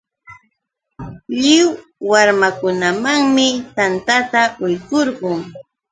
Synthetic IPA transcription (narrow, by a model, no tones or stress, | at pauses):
ʎɪwː | aɾmakʊnamaŋmɪt̪ant̪at̪aʊjkoɾɢʊŋ